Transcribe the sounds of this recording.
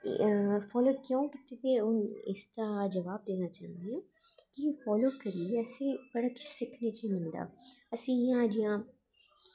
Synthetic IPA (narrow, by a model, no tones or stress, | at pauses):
fɔːloːkjõːkɪt̪et̪eːʊnɪ̰st̪aːd͡ʒəʋaːb̚d̪eːnaːt͡ʃãːnd̪iẽː | kifɔːloːkəɾiəseːbəɽaːkʊ̥t͡ʃʰsɪkʰneːt͡ʃimɪ̃nd̪a̰ːəsĩːjãːd͡ʒijãː